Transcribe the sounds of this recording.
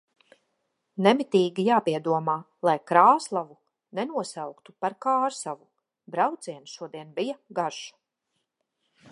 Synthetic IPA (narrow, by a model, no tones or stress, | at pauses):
nɛmit̪iːɡʲijaːpiɛd̪uɔmaː | lˠajkɾaːslˠavu | nɛnuɔsawkt̪upaɾkaːɾsavu | bɾawt̪siɛnʃuɔd̪iɛnbijaɡaʒḁ